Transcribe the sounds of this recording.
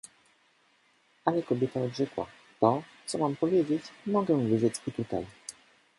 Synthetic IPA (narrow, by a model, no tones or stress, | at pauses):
alɛkɔbʲjɛt̪aɔd̪ʐɛkwa̰ | t̪ɔt̪sɔmampɔvʲjed͡ʑet͡ɕmɔɡɛwvɘʐɛt͡ɕit̪ut̪a̰j